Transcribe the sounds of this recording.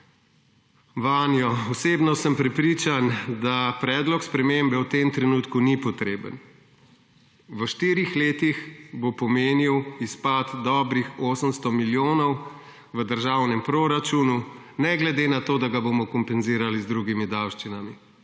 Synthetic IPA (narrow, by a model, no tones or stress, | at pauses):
ʋanjɔɔseːbnɔsəmpɾɛpɾiːt͡ʃand̪apɾɛːd̪lɔkspɾɛmembɛwt̪emt̪ɾɛnuːt̪kunipɔt̪ɾeːbə̰n | ʋəʃt̪iːɾixleːt̪ixbopɔmeːniwispat̪d̪ɔːbɾixoːsəmst̪ɔmiljoːnɔw | ʋəd̪əɾʒaːwnɛmpɾoɾat͡ʃuːnu | nɛɡlɛd̪enat̪oːd̪aɡabomɔkɔmpɛnziːɾalizd̪ɾuɡimid̪awʃt͡ʃinami